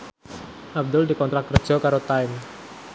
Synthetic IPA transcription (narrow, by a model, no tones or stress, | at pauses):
ʔab̚dʊldikɔnt̪ɾak̚kərd̥ʒ̥ɔ̤kaɾot̪aɪm